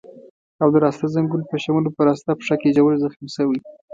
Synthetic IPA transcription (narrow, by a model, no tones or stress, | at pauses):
awd̪əɾɑst̪azaŋɡunpəʃamulopəɾɑst̪apʂakeʒawəlzaxminsəwi